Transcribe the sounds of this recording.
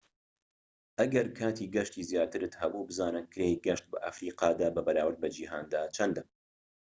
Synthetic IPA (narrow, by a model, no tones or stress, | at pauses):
ʔɐɡɐɾkʰaːt̪ʰiːɡɐʃt̪iːzjaːt̪ɨɾɨt̪hɐbubɨzaːnɨnkʰɾejɡɐʃt̪̚bɐʔɐ̰fɾiːqɑːd̪aːbɐbɐɾaːwɨɾbɐd͡ʒiɦaːnd̪aːt͡ʃʰɐnd̪ɨ